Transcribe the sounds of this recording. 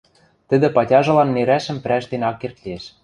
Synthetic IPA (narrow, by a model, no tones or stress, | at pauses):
t̪ɘ̆d̪ɘ̆pɑtʲɑʒɤ̆lɑnːeɾæʃɘ̆mpɾæʃd̪enɑkːert̪lʲieʃ